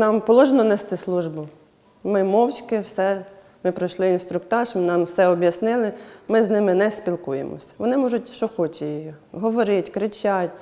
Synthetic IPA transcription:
nɑmpɔlˠɔʒenɔnɛst̪ɪslˠuʒbʊ | mɪmɔwt͡ʃʲkɪwsɛ | mɪpɾɔjʃlˠɪinst̪ɾʊk̚t̪ɑʃmnɑmwsɛɔbʲjɐsnɪlˠɪmɪznɪmɪnɛspʲilˠkujḛmɔ̰sʲɐ̥ʋɔnɪmɔʒʊtʲʃt͡ʃɔxɔt͡ʃɛji | ɦɔʋɔɾɪtʲkɾɪt͡ʃʲatʲ

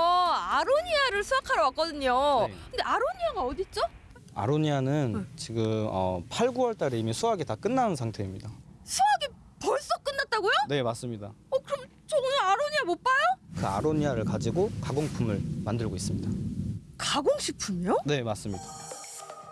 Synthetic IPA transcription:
ʌaɾoɲiaɾɯɭsʰuakʰaɾʌwak͈ʌdɯɲokʰɯndeʔaɾoɲiaɡaʌdit͡ɕ͈o | a̰ɾoɲianɯnt͡ɕiɡɯmʌ̰pʰaɭɡuʌɭt͈aɾeimisʰuaɡetak͈ɯnːanɯnsʰaŋtʰe̞imɲidasʰuaɡe | pʌɭs͈ʌk͈ɯnːat̚t͈aɡojone̞mas͈ɯmɲidaʌkɯɾʌm | t͡ɕonaaɾoɲiamop͈ajokɯa̰ɾoɲiaɾɯɭkad͡ʑiɡokaɡoŋpʰumɯɭmandɯɭɡois͈ɯmɲidakaɡoŋɕʰipʰumone̞mas͈ɯmɲida

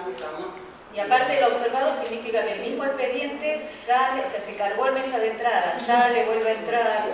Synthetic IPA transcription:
iapaɾt̪eðeloβseɾβaðosiɣnifikakelmizmoehpe̞ðje̞nt̪esaleoseasekaɾɣoelmesaðent̪ɾaðasaleβwelβeaent̪ɾaða

